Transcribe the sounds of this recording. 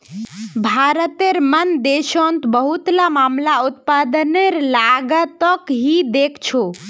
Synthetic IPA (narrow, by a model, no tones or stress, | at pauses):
bʱaɾət̪eɾmənd̪eʃont̪bəɦut̪lamamlaut̪̚pad̪əneɾlaɡət̪əkɦid̪ekʰt͡ʃʰo